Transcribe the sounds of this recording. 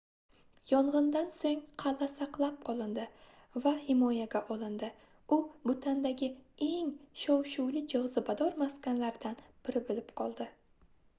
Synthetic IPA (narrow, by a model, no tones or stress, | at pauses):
jɒɴʁɨnd̪ansoŋqʰɑlːasaqlˠap̚qʰɒlˠɪnd̪ɪ | vahɪmɒjaɡʲaʔɒlˠɪnd̪ɪ | ʊbʊt̪ʰand̪aɡʲɪe̞ŋʃɒwʃʊwlɪd͡ʒɨʁzɨbad̪ɒɾmaskʲanlaɾɪd̪anb̥ɪɾɪbɪlɪpqʰɒlˠd̪ɪ